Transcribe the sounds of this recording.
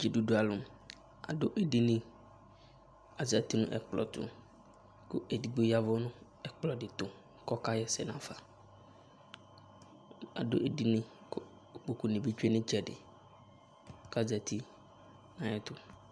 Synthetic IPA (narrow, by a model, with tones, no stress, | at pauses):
d͡ʒi˨du˨dʊ˦a˨lʊ˨ | a̰˨dʊ˦ʔɛ˦˨di˦nɪ̃˦ | a˨za˨ti˦nʊ̰̃˦ʔɛ̰˨k͡plɔ̰˨tʊ̰˨ | kʊ̰˦ʔe˨di˨ɡ͡bo˦ja˦vʊ˦nʊ̃˦ | ɛ˨k͡plɔ˨dɪ˨tʊ˨ | kɔ˦ka˦jɛ˦sɛ˨nã˨fa˨ | a̰˨dʊ̰˦ʔe˦di˦nɪ̃˦k | k͡po˨ku˨nɪ̃˨bi˦t͡ʃᶣɛ˦nɪ̃˦t͡ʃʰɛ˨dɪ̰˨ | ka˦˨za˨tʰi˦ | nã˨jɛ˦tʊ˦